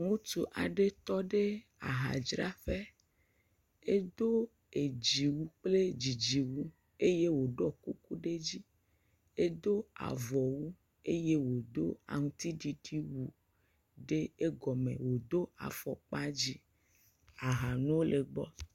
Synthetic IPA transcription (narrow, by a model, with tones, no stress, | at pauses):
ŋũ˦t̪u˨ʔa˨ɖe˦t̪ɔ˦ɖe˦a̰˨ɦa̰˨d͡ʒɾa˦ɸe˦ | e˦d̪o˦ | e˨d͡ʑi˨wu˦k͡ple˦d͡ʑi˨d͡ʑi˨wu˦ | e˦je˦wo˨ɖɔ˦ku˦ku˦ɖe˦d͡ʑi˦ | e˦d̪o˦a̰˨vɔ˨wu˦ | e˦je˦wo˨d̪o˦a̰˨ŋũ˦t̪i˦ɖi˨ti˦wu˨ | ɖe˦e˦ɡɔ˨mḛ̃˨wo˨d̪o˦a̰˨fɔ˨k͡pa˦d͡ʑi˦ | a˨ɦa˨nũ˦wo˦le˨ɡ͡bɔ˦